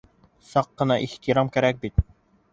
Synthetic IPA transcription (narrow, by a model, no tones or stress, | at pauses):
sɑqːɤ̆nɑʔiht̪iɾɑmkæɾæk̚bit̪